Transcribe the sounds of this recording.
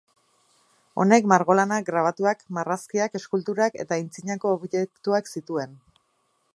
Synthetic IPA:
o̞ne̞kmaɾɣo̞lanak̚ɡɾaβ̞at̪uakmaraskiake̞skult̪uɾake̞̰t̪aint͡siɲako̞ːβʝek̚t̪uaksit̪ue̞n

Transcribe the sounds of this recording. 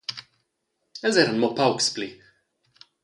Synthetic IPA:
ɛzɛɾnmɔpawkspli

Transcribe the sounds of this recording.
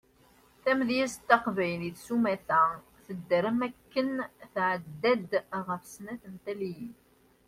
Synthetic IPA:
θæmðjæst̪ːɑqvæjliθsumæθæ | θəd̪ːəɾəmækːənθʕəd̪ːæd̪ʁəfsnæθənt̪æliji

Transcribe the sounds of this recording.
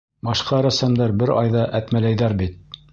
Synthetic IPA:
bɑʃqɑɾæsæmd̪æɾbɘɾɑjðɑʔæt̪mælæjðæɾbit̪̚

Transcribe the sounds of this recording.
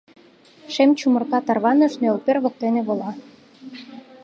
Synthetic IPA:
ʃemt͡ɕumɤ̆rkɑt̪ɑrβɑnɤ̆ʃnølperβɤ̆k̚t̪enĕβolɑ

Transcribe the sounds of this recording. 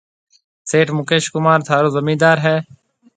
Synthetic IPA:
seːʈmʊkeːʃkʊmaːɾt̪ʰaːɾoːzəmiːd̪aːɾɦɛː

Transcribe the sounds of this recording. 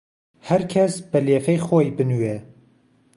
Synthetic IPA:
hɛɾkʲʰɛsbɛleːfɛjxoːjbɨnuwe

